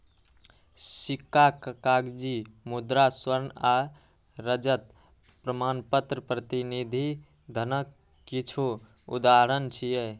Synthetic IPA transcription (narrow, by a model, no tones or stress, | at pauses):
sikːakəkaɡd͡ʒimud̪ɾaswəɾna | ɾəd͡ʒət̪ | pɾəmanpət̪ɾəpɾət̪inid̪ʱi | d̪ʱənəkː | it͡ʃʰo | ṵd̪aɾənt͡ʃʰije